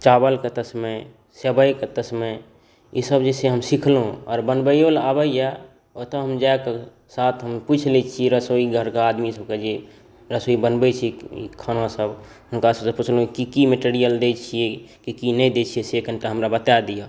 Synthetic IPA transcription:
t͡ʃabəlket̪əsme | səbəjket̪əsme | isəbd͡ʒeseɦəmsikʰlõɔ̰ːɾbənbəjolabəija | ot̪əɦəmd͡ʒaeke | sat̪ʰɦəmput͡ʃʰlit͡ʃʰiɾəsoiɡʱəɾkaaːd̪misəb̚ked͡ʒe | ɾəsoibənbət͡ʃʰiḭkʰanãsəb | ɦʊnkasəbseput͡ʃʰlõkikimeʈiɾijəld̪et͡ʃʰiekikinəĩd̪et͡ʃʰiesekənʈaɦəmɾabət̪ad̪ija

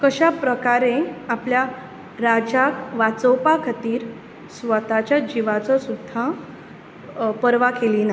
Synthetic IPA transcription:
kəɕapɾəkaɾẽaplja | ɾad͡ʑakʋat͡sɔwpakʰət̪iːɾ | sʋət̪at͡ɕjad͡ʑiʋat͡sɔsud̪ʱːa | pəɾʋakelina

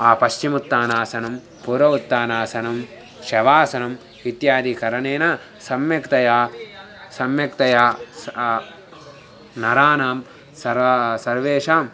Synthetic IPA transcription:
aːpɐʃt͡ʃimut̪ːaːnaːsɐnɐm | puːɾʋɐʋut̪ːaːnaːsɐnɐm | ʃɐʋaːsɐnɐm | it̪jaːd̪ʱikɐɾɐneːnɐ | sɐmjɐkt̪ɐjaː | sɐmjɐkt̪ɐjaːs | nɐɾaːnaːm | sɐɾasɐɾʋeːʂaːm

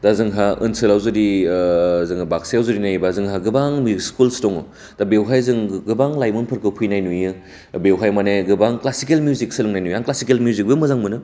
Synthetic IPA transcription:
d̥azɯŋɦaɯ̰nsɯlawzɯɾi | zɯŋɯbaksejawzɯɾinajbazɯŋɦaɡɯbaŋmskulstoŋo | d̥abewɦajzɯŋɡɯbaŋlajmonpʰɯɾkɯpʰujnajnujɯ | bewɦajmaneɡɯbaŋklasikelmiuzik̚sɯlɯŋnajnujaŋklasikelmjuzik̚bɯmɐzaŋmɯnɯ

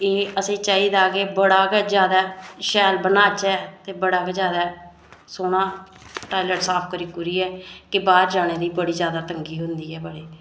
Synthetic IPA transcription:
eːəsẽːt͡ʃaːiːd̪aːkeːbəɽaːkːd͡ʒjaːd̪aːʃɛːlbənaːt͡ʃɛːt̪eːbəɽaːkːd͡ʒjaːd̪aː | soːnãː | ʈaːɪləʈsaːpʰkəɾiːkʊɾiːɛːkɪbaːɾd͡ʒaːneːd̪iːbəɽiːd͡ʒjaːd̪aːt̪əŋɡiːɦʊnd̪iːɛːbəɽeː

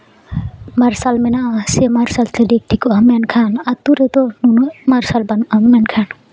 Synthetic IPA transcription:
mɐɾsalmenasemaɾsalt̪eɖek̚ʈikoɐmːenkʰanat̪uɾet̪onunomaɾsalbɐnɐmːenkʰan

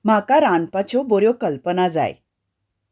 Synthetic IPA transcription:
m̤akaɾanpat͡ɕɔboɾjɔkəlpənad͡za̰jḛ

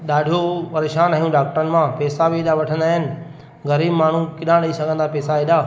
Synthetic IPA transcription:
ɗaːɖʱijopɐɾeːʃaːnaːɦijũɖaːk̚ʈəɾənɪ̆mãpɛːsabiːɗaʋɐʈʰə̃nd̪aːɦɪnɪ̆ | ɣɐɾiːbmaːɳ̤ũkɪɗãɗɐisɐɡʱə̃nd̪apɛːsaiɗaː

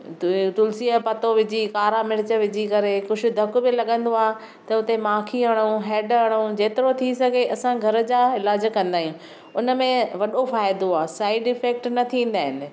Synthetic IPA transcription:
t̪ʊlsiəpɐt̪oʋɪd͡ʑikaːɾamɪɾɪt͡ɕəʋɪd͡ʑikɐɾekʊd͡ʑʱʊ̆d̪ʱɐkʊbɪlɐɠə̃nd̪oaːɦ | t̪ɐʊt̪emaːkʰiɦɐɽ̃ũɦɛːɖɦɐɽ̃ũd͡ʑeːt̪ɪɾot̪ʰisɐɡʱeʔɐsãɡʱɐɾə̆d͡ʑaːɪlaːd͡ʑkɐ̃nd̪aːɦjũ | ʊnə̆mẽʋɐɗofaːɪd̪oaːsaːɪɖɪfɛːk̚ʈnɐt̪ʰĩːn̆d̪aːɦɪnɪ̆

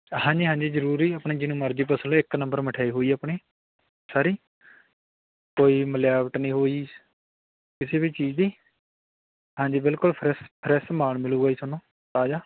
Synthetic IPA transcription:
hãːɲd͡ʒiːɦãːɲd͡ʒiːzəɾuːɾiːəpɳiːd͡ʒɪnũːməɾd͡ʒiːp̬əsəlːɪknə̃mbəɾməʈʰaːiːɦoːiːaːpɳiː | saːɾiː | koːiːməljaːʋəʈnĩːɦoːiː | kɪseːbiːt͡ʃiːd͡ʒd̪iː | ɦãːɲd͡ʒiːbɪlkʊlpʰɾɛspʰɾɛst̪maːɳmɪluːɡaːiːsʊnõː | taːd͡ʒaː

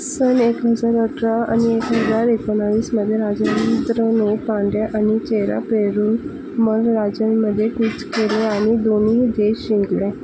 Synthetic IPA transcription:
sənekɦəd͡zaɾəʈʰɾaa̰niekɦəd͡zaɾekənaʋiːsməd̪ʱːjeɾad͡ʑənt̪ɾənukãɳɖjaʔañit͡ɕeɾa̰peɾuːn | məɾɾad͡zənməd̪ʱːjekut͡skeleaɽ̃id̪oniːd̪eɕĩŋɡle

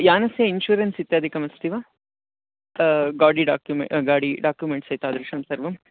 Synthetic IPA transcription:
jaːnɐsjɐinʃuːɾensit̪ːjaːd̪ʱikɐmɐst̪iʋaː | ɡaːɽiɖaːkjumḛɡaːɽiɖaːkjumeɳʈsɐjt̪uaːd̪ɾɐʂɐmsɐɾʋɐm

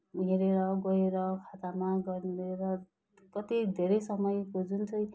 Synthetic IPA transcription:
iɾeɾʌɡʌeɾʌkʰat̪amaɡʌɾeɾʌ | kʌt̪id̪ʱeɾʌjsʌmʌjkod͡zunt͡sʰʌj

